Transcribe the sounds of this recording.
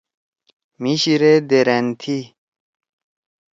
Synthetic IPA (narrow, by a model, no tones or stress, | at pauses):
miɕiɾed̪eɾent̪ʰi